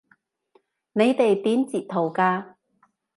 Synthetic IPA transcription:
ne˨˧jt̪e˨jt̪iː˨˥nt͡siː˨p̚t̪ʰːo˨˩wkaː˧

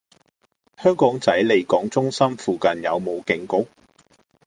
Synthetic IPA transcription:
hœː˥ŋkɔː˨˥ŋt͡sɐ˨˥jle˨˧jkɔː˨˥ŋt͡sʊ˥ŋsɐ˥mfuː˨kɐ˨njɐ̰˨˧wmo˨˧wkɪ˨˧ŋkʊ˥k̚

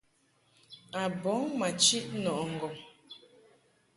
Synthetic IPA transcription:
a˨bɔ˨˦ŋma˨t͡ʃi˦ʔnɔ˨ʔŋ̩˨ɡɔ˨m

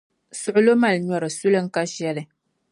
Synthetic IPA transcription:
sʊ˨ʔʊ˦lo˦ma˨lɲɔ˨ɾɨ˨su˦lɨ˦ŋ̩˦ka˦ʃɛ˦lɨ˨

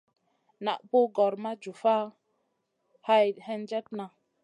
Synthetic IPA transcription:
na̰˨ʔpo˦ɡɔ˨ɾma˦d͡ʒu˨fa˦ | ha˦jhɛ˦nd͡ʒɛ˦t̚na˨

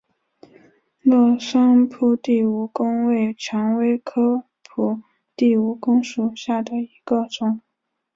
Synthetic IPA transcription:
lɔ˥˩ʂɑ˥ŋpʰu˥˧t̪i˥˩u˨˩kʊ˥ŋwe˥˩ɪt͡ɕʰɑ˧˥ŋwe˥ɪkʰɤ˥ | pʰu˨˩ | t̪i˥˩u˧˥kʊ˥ŋʂu˨˩ɕja˥˩d̪ə˩i˧˥ɡ̥ə˧ʈ͡ʂʊ˨˩˦ŋ

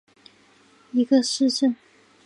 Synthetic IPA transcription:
i˧˥ɡə˧ʂɻ̩˥˧ʈ͡ʂə˥˩n

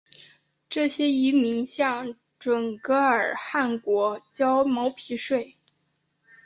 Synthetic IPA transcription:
ʈ͡ʂɤ˥˩ɕjɛ˥i˧˥mi˧˥ŋɕjɑ˥˩ŋ | ʈ͡ʂwə˨˩nkɤ˧˥˧ə˞˨˩xa˥˩nkwɔ˧˥t͡ɕjɑ˥ʊmo˧˥ʊpʰi˧˥ʂwe˥˩ɪ

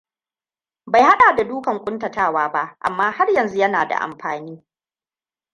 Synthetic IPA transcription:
ba˨jha˦ɗaː˨da˨duː˦kɐ˨ŋkʷʼʊ˦ntɐ˨taː˦˨waː˦ba˦ʔʔa̰˨mːaː˦ha˦rjɐ˨nzu˦jɐ˦na̰ː˨da̰˨ʔa̰˨mɸaː˨niː˦

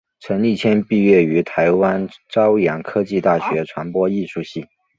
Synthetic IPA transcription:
ʈ͡ʂʰə˧˥nli˥˩t͡ɕʰjɛ˥npi˥˧ɥɛ˥˩y˧˥t̪ʰa˧˥ɪwa˥nʈ͡ʂɑ˥ʊjɑ˨˥ŋkʰɤ˥t͡ɕi˥˧t̪a˥˩ɕɥɛ˧˥ʈ͡ʂʰwa˧˥npwɔ˥i˥˧ʂu˥˧ɕi˥˩

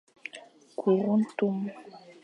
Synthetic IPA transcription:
ku˨ɾu˦n̩˦tu˦m˦

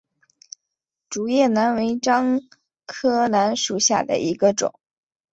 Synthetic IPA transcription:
ʈ͡ʂu˨˩jɛ˥˩na˧˥nwe˧˥ɪʈ͡ʂɑ˥ŋ | kʰɤ˥na˧˥nʂu˨˩ɕja̰˥˩d̪ə̰˩ʔi˧˥ɡə˧ʈ͡ʂʊ̰˨˩˦ŋ

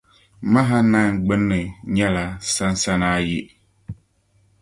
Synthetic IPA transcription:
ma˦ɦa˦na˦˨ŋ˨ɡ͡bɨ˦nːɨ˨ɲɛ˦la˨sa˦n˦sa˦naː˦ji˦

